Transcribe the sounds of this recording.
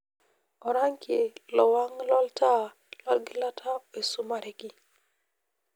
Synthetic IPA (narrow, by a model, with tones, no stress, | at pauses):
ɔ˨ɾa˦ŋke˨lɔ˨wa˦ŋlɔ˦lta˦ | lɔ˦lɡɪ˦la˦tʰa˦e˨su˦ma˨ɾɛ˦ki˦